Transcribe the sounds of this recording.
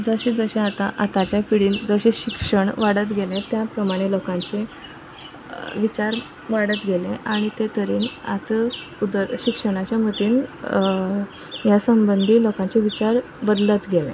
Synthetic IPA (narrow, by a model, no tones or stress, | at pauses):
d͡zəɕẽd͡zəɕẽat̪aʔat̪at͡ɕjapiɽiːnd͡zəɕeɕikʂəɳʋaɽət̪ɡʱelẽt̪japɾəmaɽ̃elokãɲt͡ɕe | ʋit͡ɕaɾ | ʋaɽət̪ɡʱelẽʔaɽ̃it̪et̪əɾiːna̰t̪ | ud̪ɾɕikʂəɽ̃at͡ɕjamət̪iːn | jasəmbənd̪ʱiːlokãɲt͡ɕeʋit͡ɕaɾ | bəd̪lət̪ɡʱelḛ̃